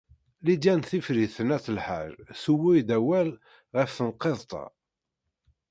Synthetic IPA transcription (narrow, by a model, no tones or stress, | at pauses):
lid͡ʒ̪ænθifɾiθənæθəlħa̰ɾsuwijd̪æwæl | ʁəfθənqːeðˤt̪ˤɑ̰